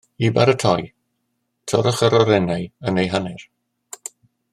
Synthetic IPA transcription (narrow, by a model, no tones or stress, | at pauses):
ibaɾətʰɔj | tʰɔɾəχəɾɔɾɛnajənejɦanɪr